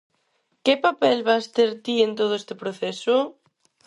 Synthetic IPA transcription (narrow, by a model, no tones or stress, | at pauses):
kepapɛlβast̪eɾt̪ient̪oð̞ʊest̪ɪpɾoθesʊ